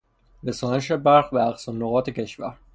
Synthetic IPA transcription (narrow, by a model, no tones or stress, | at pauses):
ɾesɒːneʃ̬ebæɾxbeæqsɒnːoɣɒːt̪ʰecʰe̞ʃvæɾ